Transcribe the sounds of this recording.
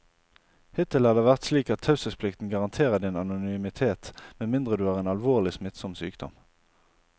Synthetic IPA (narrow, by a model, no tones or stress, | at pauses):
hɪt̪ɪl̩hɑd̪əʋæʁt̪sliːkɑt̪ʰːɑʉsəspʰlɪkt̪n̩ɡɑʁɑnt̪ʰeːʁəd̪ɪnɑnʊnʏmɪt̪ʰeːt̪mɛnmɪnd̪ʁəd̪ʉːæːʁeːnɑlʋoːʁlɪsmɪt̪sɔmsy̰ːkd̪̥ɔ̰m